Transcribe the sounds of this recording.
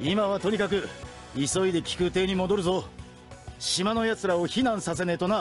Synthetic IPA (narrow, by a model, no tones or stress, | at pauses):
imaβat̪o̞ɲ̟ʲikak̬ɯ̟ | iso̞id̪e̞kʲi̥kɯ̟t̪e̞ːɲ̟imo̞d̪o̞ɾɯ̟zo̞ | ɕimano̞jat͡sɨɾao̞çinãɰ̃sase̞ne̞t̪o̞na